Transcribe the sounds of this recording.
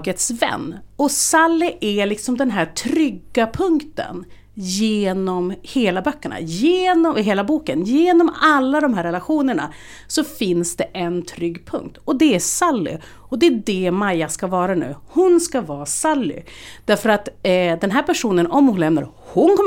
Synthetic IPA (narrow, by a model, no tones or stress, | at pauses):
ɡət̪svɛ̰nːɔsalːɪʔælɪksɔmd̪ɛnɦæːʈʰɾʏɡːapʰɵŋkt̪ə̰n | jeːnɔmheːlabœkːəɳa̰jeːnɔɦeːlabuːkənjeːnɔmalːad̪ɔmɦæːɾɛlaɧuːnəɳa̰ | sɔfɪnsd̪̥ɛʔɛnt̪ʰɾʏɡːpʰɵ̰ŋk̚t̪ɔd̪ɛæsalːɪ̰ | ɔd̪ɛːd̪ɛmajːaskavɑːɾanʉ̟̰ːhʊnskavɑːsalːʏ̰d̪̥æɾfœɾat̪d̪ɛnɦæːɾpæʂuːnənɔmhʊnlɛmna̰ɾ | hʊnkʰɔm